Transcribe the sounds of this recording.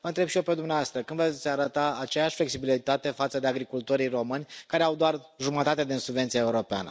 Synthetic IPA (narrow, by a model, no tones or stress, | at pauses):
vənt̪ɾe̞bʃio̞pe̞d̪umneavast̪ɾəkɨnd̪vessʲaɾət̪aːt͡ʃe̞jaʃʲfle̞ksibilit̪at̪e̞fat̪səd̪e̞aɡɾikult̪oɾijro̞mɨnʲkaɾe̞awd̪oar | ʒumət̪at̪ed̪insubve̞nt̪siaeuɾo̞pea̰nə̰